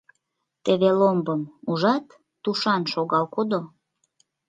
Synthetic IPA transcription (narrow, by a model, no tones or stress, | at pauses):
t̪eβelombəmuʒɑt̪ː | uʃɑnʃoɣɑlkod̪o